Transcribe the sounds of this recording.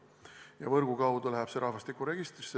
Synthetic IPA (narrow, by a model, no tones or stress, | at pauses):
jɑ̰vɤrɡukɑwd̪ulæɦæb̥seɾʔɑhvɑst̪ikːˑuɾe̞ɡist̪ri̥se